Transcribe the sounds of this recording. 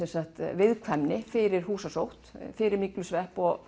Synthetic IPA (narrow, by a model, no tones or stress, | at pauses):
ɛnsaht̪vɪðkʰvɛmnɪfɪɾɪɾ̥huːsasowht̪fɪɾɪɾmiklʏsvɛhpɔɣ